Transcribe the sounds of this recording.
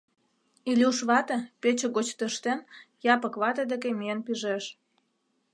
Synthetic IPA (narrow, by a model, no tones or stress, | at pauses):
ilʲiuʃβɑt̪ɤ̆pet͡ɕĕɣot͡ɕt̪ə̆ʃt̪enjɑpə̆kβɑt̪ə̆d̪ĕkemienpyʒeʃ